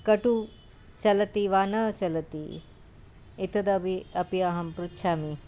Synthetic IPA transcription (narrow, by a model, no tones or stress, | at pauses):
kɐʈu | t͡ʃɐlɐt̪iʋaːnɐt͡ʃɐlɐt̪ḭ | it̪ʰɐd̪ɐbiɐpijaːɦɐmpɾut̪ːʃʰaːmi